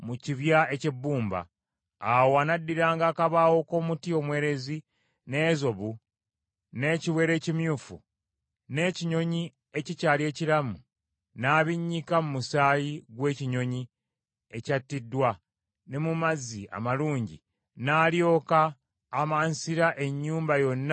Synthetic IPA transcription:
muciβjae̞ce̞bːuːmba̰ː | woanadːiɾaːŋɡaːkaβawo̞ko̞ːmutio̞mwe̞ːɾe̞zi | ne̞ːzo̞βu | ne̞ːciwe̞ːɾe̞ːcimjuːfṵ | ne̞ːciɲo̞ɲi | e̞cicaːlje̞ːciɾamu | naːβiɲːikamumusaːjiɡwe̞ːciɲo̞ɲi | e̞catːidːwa | ne̞mumazia̰maluːɲɟḭ | naːljo̞ːkaː | maːnsiɾaʔe̞ɲːuːmbajo̞nː

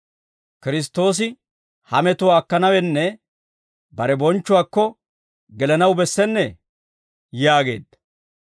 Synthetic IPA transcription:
kɪɾɪs̬t̪ːo̞ːs̬ɪ | hɐmɛt̪ʊwaːkːɐnɐwɛnːɛ | bɐɾɛbɔnt͡ʃːʊwaːkːɔ | ɡɛlɛnɐwbɛsːɛnːɛ | jaːɡe̞̰ːd̪ɐ

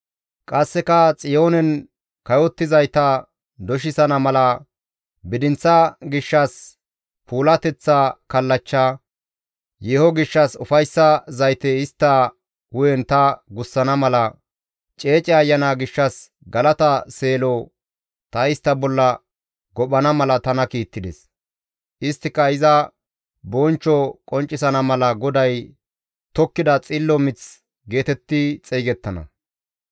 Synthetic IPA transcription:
kʼɐsːɛkɐt͡sʼɪjo̞ːnɛn | kɐjɔt̪ːɪzɐjt̪ɐ | d̪ɔʃ̬ɪsɐnɐmɐlɐ | bɪd̪ɪnt͡sːɐɡɪʃːɐs | pʰuːlɐt̪ɛt͡sːakɐlːɐt͡ʃːa | jeːhɔɡɪʃːɐsʊfɐjsːɐzɐjt̪ɛɪst̪ːɐ | wʊjɛnt̪ɐɡʊsːɐnɐmɐlɐ | t͡ʃʼe̞ːt͡ʃʼɪɐjːɐnaːɡɪʃːɐs | ɡɐlɐt̪ɐse̞ːlɔ | t̪ɐɪst̪ːɐbɔlːɐ | ɡɔɓɐnɐmɐlɐt̪ɐnɐkiːt̪ːɪd̪ɛs | ʔɪst̪ːɪkːɐɪzɐ | bɔnt͡ʃːɔkʼɔnt͡ʃʼːɪsɐnɐmɐlɐɡɔd̪ɐj | t̪ɔkːɪd̪ɐt͡sʼɪlːɔmɪt͡s | ɡe̞ːt̪ɛt̪ːɪt͡sʼeːɡɛt̪ːɐnɐ̰

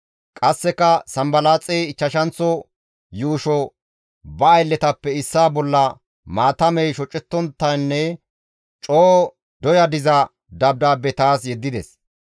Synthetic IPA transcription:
kʼɐsːɛkːɐsɐmbɐlaːt͡sʼɛjɪt͡ʃːɐʃɐnt͡sːɔ | juːʃɔ | bɐːjlːɛt̪ɐpːɛɪsːaːbɔlːɐ | maːt̪ɐmɛjʃɔt͡ʃʼːɛt̪ːɔnt̪ːɐjnːɛ | t͡ʃʼoː | d̪ɔjɐd̪ɪzɐ | d̪ɐb̚d̪aːbɛt̪aːsjɛd̪ːɪd̪ɛs

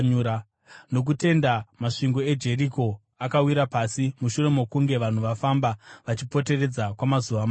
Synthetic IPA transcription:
uɾa | no̞k̬ute̞ndamaʂiŋɡo̞e̞d͡ʒe̞riko̞ | akawiɾapasimuʃure̞mokuŋɡe̞ʋan̤uʋafambaʋat͡ʃipo̞te̞re̞d͡zakwamazuʋam

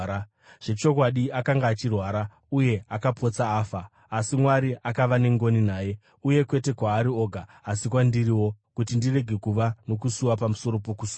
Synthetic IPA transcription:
ʐ̥e̞t͡ʃo̞kwaɗiakaŋɡaːt͡ʃirwaːɾa | uje̞akapo̞t͡saːfaː | simwaɾiʔakaʋane̞ŋɡo̞ninaːje̞ | uje̞kwe̞te̞kwaːɾio̞ːɡʱaːsikwandiɾiwo̞kutindire̞ɡʱe̞kuʋano̞kusuwapamuso̞ɾo̞po̞kusuːa

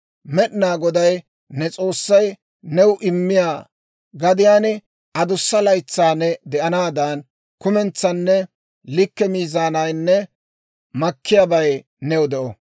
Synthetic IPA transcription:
mɛɗɪnaːɡɔd̪ɐj | nɛt͡sʼo̞ːsːɐj | nɛwʊʔɪmːɪjaː | ɡɐd̪ɪjaːnɪ | ʔɐd̪ʊsːɐlɐjt͡sːaːnɛd̪ɛʔɐnaːd̪ɐn | kʊmɛnt͡sːɐnːɛ | lɪkːɛmiːzaːnɐjnːɛ | mɐkːɪjabɐj | nɛwʊd̪ɛʔɔ

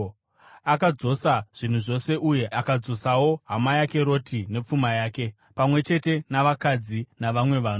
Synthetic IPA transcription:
akad͡zo̞saʐ̥in̤uʐo̞se̞ʔuje̞ʔakad͡zo̞sawo̞ɦamajake̞ɾo̞tʰine̞p͡fumajaːke̞ | pamwe̞t͡ʃe̞te̞naʋakad͡zinaʋamwe̞ʋaːno

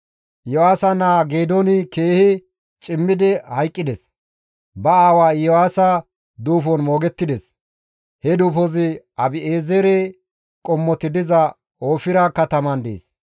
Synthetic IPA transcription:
ʔjɔwaːsɐnaːɡeːd̪ɔnɪke̞ːhɪ | t͡ʃʼɪmːɪd̪ɛhɐjkʼːɪd̪ɛs | bɐaːwaːjɔwaːsɐ | d̪uːfɔnmo̞ːɡɛt̪ːɪd̪ɛs | hɛd̪uːfɔzɪ | ɐbɪeːzɛɾe | kʼɔmːɔt̪ːɪd̪ɪzɐ | oːfɪɾɐkɐt̪ɐmɐnd̪ḛːs

